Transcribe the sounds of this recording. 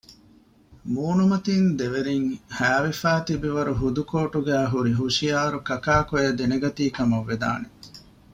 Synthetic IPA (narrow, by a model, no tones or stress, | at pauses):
muːnumɐt̪ind̪eʋeɾiŋhæːʋefæːt̪ibiʋɐɾuɦud̪ukoːʈuɡæːɦuɾiɦuʃijaːɾukɐkaːkojed̪eneɡɐt̪iːkɐmɐʋːed̪a̰ːne